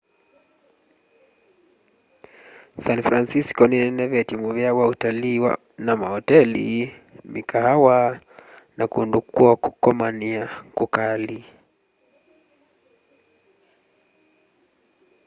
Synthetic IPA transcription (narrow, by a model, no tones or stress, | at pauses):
sanfɾansiskɔninɛnɛvɛtimuvɛawautaliːwa̰ | namahɔtɛlḭ | mikaɦawa | nakundukuaku̥kɔmaniakukali